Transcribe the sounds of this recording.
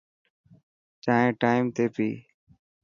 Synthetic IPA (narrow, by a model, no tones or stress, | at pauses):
t͡ʃaːɦẽːʈaːɪmt̪eːpḭː